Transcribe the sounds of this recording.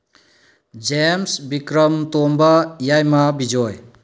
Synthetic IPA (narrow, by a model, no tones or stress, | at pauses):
d͡ʒemsbikɾəmtombɐjajmɐbid͡ʒɔj